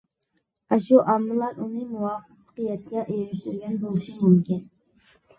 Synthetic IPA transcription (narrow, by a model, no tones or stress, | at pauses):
ɑʃuʔɑmːɨlˠɑɾunɨmuwɑf | əqəjɛt̪̚kʲɛʔejɾɪʃt̪yɾɡʲɛnbolˠɨʃimumkʲin